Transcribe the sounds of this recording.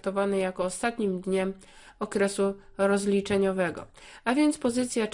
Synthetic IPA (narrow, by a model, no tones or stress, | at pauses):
t̪ɔvanɛjakɔːst̪at̪ɲimd̪ɲɛm | ɔkɾɛsu | ɾɔzlʲit͡ʂɛɲɔvɛɡɔ̰avʲjɛnt̪spɔzɘt̪sʲja